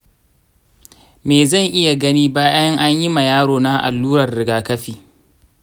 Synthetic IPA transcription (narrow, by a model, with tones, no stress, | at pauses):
meː˨zɐ˦˨ŋʔɪ˦ja˨ɡɐ˦niː˦baː˦jjɐ˦ŋʔa˦ɲji˦ma˨jaː˦ɽoː˨na˦ʔa̰˨lːuː˦ɾɐ˨rːɪ˨ɡaː˨kɐ˦ɸiː˨